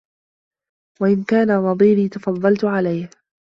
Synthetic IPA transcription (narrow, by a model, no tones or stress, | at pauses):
waʔɪnkaːnanɑd̪ˤiːɾiːt̪ɑfɑðˤːɑlt̪ʊʕalajh